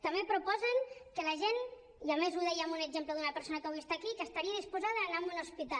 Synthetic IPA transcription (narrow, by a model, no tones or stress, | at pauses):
t̪əmbepɾupɔzəŋkələʒen | iamezuðɛjamunəɡʒempləðunəpəɾsonəkəβwuist̪akikəːst̪aɾiəðispuzaðəːnamuləspit̪a